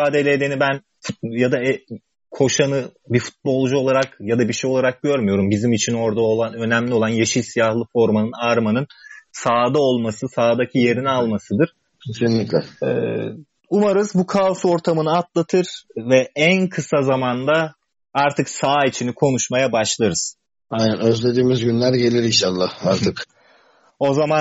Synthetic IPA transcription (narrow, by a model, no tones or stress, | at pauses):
aːd̪e̞lʲed̪enibæn | fujad̪aɛ | kʰo̞ʃanɯbifu̥t̪̚bo̞lˠd͡ʒuo̞lˠaɾakjad̪abiʃejo̞lˠaɾak̚ɟøɾmyjo̞ɾumbizimit͡ʃʰino̞ɾd̪aolˠanø̞næmlʲio̞lˠanjeʃilʲsijahlˠɯfo̞ɾmanɯnaɾmanɯnsaːd̪ao̞lˠmasɯsaːd̪acʰije̞ɾinialˠmasɯd̪ɯɾ̥ | cʰe̞sinlʲiclʲɛɛ̰ | umaɾɯzbukʰauso̞ɾt̪ʰamɯnɯat̪lˠat̪ʰɯɾ̥vɛænkʰɯsazamand̪a | aɾt̪ʰɯksaːit͡ʃʰinikʰo̞nuʃmajabaʃlˠaɾɯz̥ | ajnænø̞zlʲe̞d̪iːmizɟynlʲæɾɟe̞lʲiɾinʃalˠːahaɾt̪ɯk | o̞zama